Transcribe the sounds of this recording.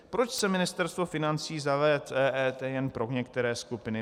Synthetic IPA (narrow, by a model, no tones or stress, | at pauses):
pɾo̞t͡ʃsɛmɪnɪst̪ɛɾst̪vo̞fɪnant͡siːzavɛt̪ɛʔɛːt̪ɛjɛnpɾo̞ɲɛkt̪ɛɾɛːskupɪnɪ